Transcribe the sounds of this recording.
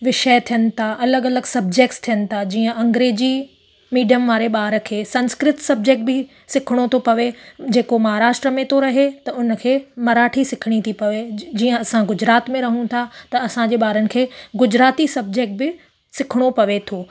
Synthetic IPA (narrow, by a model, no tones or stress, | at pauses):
ʋɪʃət̪ʰijənɪ̆t̪ʰaʔɐləɡɐləɡsɐb̚d͡ʑek̚ʈst̪ʰijənɪ̆t̪ʰad͡ʑiːə̃ʔɐ̃ŋɡɾeːd͡ʑi | miːɖijəmʋaːɾeɓaːɾə̆kʰeːsɐ̃nskɾɪt̪sɐb̚d͡ʑeːk̚ʈ̚bɪ | sɪkʰɪɽ̃ot̪ʰopɐʋed͡ʑeːkomɐɦaːɾaːʃʈɾəmẽt̪ʰoɾɐɦet̪ɐʊnə̆kʰeːmɐɾaːʈʰisɪkʰɪɽ̃it̪ʰipɐʋed͡ʑiːə̃ɐsãɡʊd͡ʑɾaːt̪mẽɾɐɦũt̪ʰat̪ɐɐsãd͡ʑeːɓaːɾənɪ̆kʰeːɡʊd͡ʑɾaːt̪isɐb̚d͡ʑeːk̚ʈ̚bɪ | sɪkʰɪɽ̃opɐʋet̪ʰoː